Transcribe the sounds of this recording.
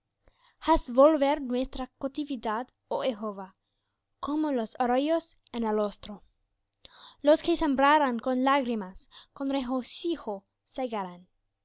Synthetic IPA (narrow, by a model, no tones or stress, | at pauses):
hasvolβeɾnwest̪ɾakot̪ivid̪ad̪ | oexova | komolosoɾojos | enalost̪ɾo | loskesembɾaɾaŋkonlaɣɾimaskonreɣosixo | seɣaɾan